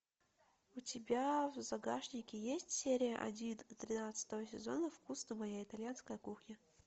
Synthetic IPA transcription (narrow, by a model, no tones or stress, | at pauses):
ʊtʲɪbʲavzɐɡaʂnʲɪkʲɪjesʲtʲsʲeɾʲɪjəʔɐ̰dʲint̪ɾʲɪnat̪sə̥t̪əvəsʲɪzonəfkusnəmɐjaɪt̪ɐlʲjanskəjəkuxnʲə